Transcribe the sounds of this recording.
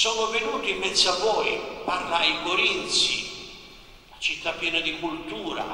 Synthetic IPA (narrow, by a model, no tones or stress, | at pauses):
sɔːnʊvenuːt̪iimːɛt̪savɔjparlaikoɾint̪sḭ | lat͡ʃit̪ːapːjɛːnad̪ikult̪uːɾa̰